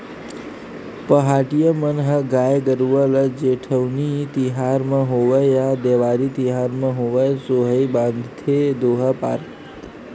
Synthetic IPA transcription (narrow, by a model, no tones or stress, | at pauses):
pəɦaʈijəmənɦəɡajɡəɾuʋələd͡ʒeʈʰəʋnit̪iɦaɾmãɦoʋəjad̪eʋaɾit̪iɦaɾmãɦoʋəjsoɦəjbãnd̪ʱt̪ʰed̪oɦapa̰ɾt̪